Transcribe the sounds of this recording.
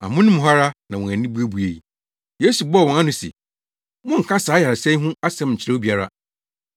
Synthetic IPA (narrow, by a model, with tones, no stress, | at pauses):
a̰˨mʊ̃˦nɪ̃˦m̃˨ɦa˦ɾa˦nã˨wɔ̃˨æ˨nĩ˦bu˦æ˦bu˨e˨i˨ | je˦su˨bɔ˦˨wɔ̃˨ŋa˦nʊ̃˨sḛ˨ | mɔ̃˦ŋ̩˨kʰã˦saː˨˦ja˨sɛ̃˦ɦʊ̃˦a˦sɛ̃˦mɲ̩˨t͡ɕʰɪ˨ɾa˦o˦bi˨˦a˦ɾa̰˦